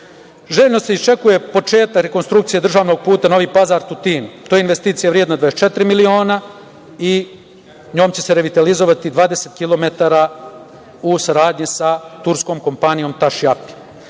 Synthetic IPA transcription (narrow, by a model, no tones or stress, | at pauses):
ʒeːʎʲnoseist͡ʃe̞kuje̞po̞t͡ʂe̞ːt̪akɾe̞ko̞nst̪ɾukt̪sije̞d̪r̩ʒaːʋno̞ɡ̚puːt̪ano̞ʋiːpazaːɾt̪ut̪iːnut̪oːjeinʋe̞st̪iːt̪sijaʋɾjed̪nad̪ʋaest͡ʃe̞t̪ɾimilio̞ːna | i | ɲo̞ːmt͡ɕe̞seɾeʋit̪alizo̞ʋat̪id̪ʋaːd̪e̞set̪kilo̞met̪aːɾa | usaɾaːd̪ɲisat̪uɾsko̞ːmko̞mpanijo̞mt̪aʃjapi̥